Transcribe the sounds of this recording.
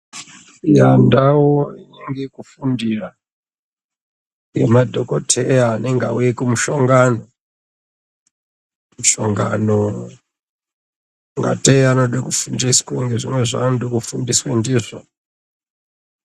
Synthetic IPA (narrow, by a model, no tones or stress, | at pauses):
jandawoineŋɡekufundira | ŋɡḛmadʱokotʰejaːneŋɡaujekumuʃoŋɡano | muʃoŋɡano | ŋɡa̰teanoɗekufundiskaŋɡeʐimwe̞ʐa̰nɗokufundiswendiːʐo̰